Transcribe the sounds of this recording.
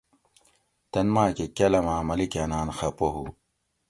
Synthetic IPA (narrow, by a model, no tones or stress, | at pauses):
t̪ɐnmaːkekɐlɐmaːmɐlikɐnaːnxɐpoɦu